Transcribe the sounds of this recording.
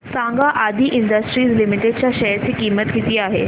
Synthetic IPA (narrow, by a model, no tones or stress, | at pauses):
sãŋɡaʔad̪ʱiːʔiɳɖəsʈɾiːslimiʈeɖ̚t͡ɕjaɕəjəɾt͡siːkiːmət̪kit̪iːaɦḛ